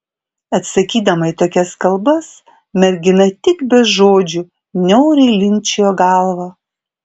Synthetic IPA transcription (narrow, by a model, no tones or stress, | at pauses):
ɐt̪sɐkʲiːd̪ɐmɐɪt̪oːkʲɛskɐlˠbɐs | mʲɛɾʲɡʲɪnɐt̪ʲɪkbʲɛʒoːd͡ʒʲu | nʲɛʊɾʲɛɪlʲɪnʲt͡ʃʲɛjoːɡɑˑlˠʋɑː